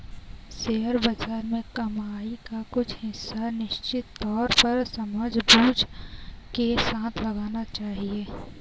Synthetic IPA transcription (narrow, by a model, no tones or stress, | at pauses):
seːəɾbazaːɾmẽkɐmaːikakʊt͡ʃʰɦɪsːanɪʃt͡ʃɪt̪ːɔːɾpɐɾsɐmaːd͡ʒbuːd͡ʒkesãːt̪ʰlɐɡaːnat͡ʃaːɦieː